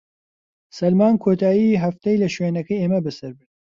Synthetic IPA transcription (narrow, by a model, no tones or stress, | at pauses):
sɐlmaːnkʰoːt̪ʰaːjiːɦɐft̪ɛjlɐʃweːnɐkɐjeːmɐbɨsɐɾbɨt̪